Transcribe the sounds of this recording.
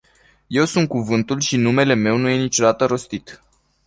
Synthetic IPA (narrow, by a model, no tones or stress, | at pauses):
je̞wsunt̪̚kuvɨnt̪ulʃinume̞le̞me̞wnuje̞nit͡ʃo̞d̪at̪əɾo̞st̪it̪